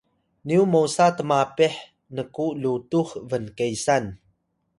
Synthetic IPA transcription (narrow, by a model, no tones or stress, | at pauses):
niumosatəmapeħ | nəkuʔlutuxvənkejsan